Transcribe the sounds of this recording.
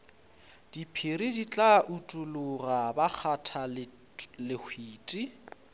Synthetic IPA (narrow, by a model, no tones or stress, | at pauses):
d̥ipʰiridit͡ɬʼaʔutʼulʊrabak͡xʰatʰal | lɪhʰwiːtʼi